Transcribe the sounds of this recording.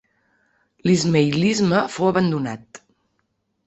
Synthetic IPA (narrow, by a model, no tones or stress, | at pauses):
lizmejlizməfowəβənd̪una̰t̪